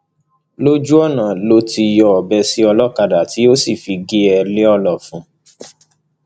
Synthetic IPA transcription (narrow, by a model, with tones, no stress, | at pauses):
lo˦d͡ʒu˦ɔ˦˨nã˨lo˦ti˧jɔ˧ɔ˨bɛ˧si˦ɔ˧lɔ˦ka˧da˨ti˨˦o˦si˦˨fi˧ɡe˦ɛ˧le˦ɔ˦˧lɔ˨fũ˨˦